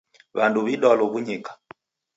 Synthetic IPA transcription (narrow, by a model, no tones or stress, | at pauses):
βanduβiɗɔlɔβuɲikḁ